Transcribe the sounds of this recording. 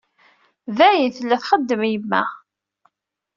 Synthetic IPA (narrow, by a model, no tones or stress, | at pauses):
ðæjənθəlːæθχəd̪ːəmjəmːæ̰